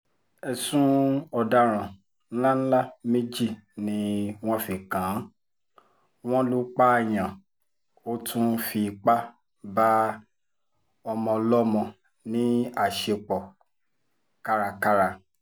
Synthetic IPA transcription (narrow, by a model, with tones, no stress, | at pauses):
ɛ˧sũ˦ɔ˧da˦ɾ̃ã˨ | n̩˦la˦n̩˦la˦˨me˦d͡ʒi˦˨nĩ˦w̃ɔ̃˦fi˨kã˨˦ | w̃ɔ̃˦lu˦k͡pa˦˨j̃ã˨ | o˦tʰũ˦fi˧k͡pa˦ | ba˦ | ɔ˧mɔ̃˧lɔ˦mɔ̃˧ | nĩ˨˦a˦˨ʃe˧k͡pɔ˨ | ka˦ɾa˧ka˦ɾa˧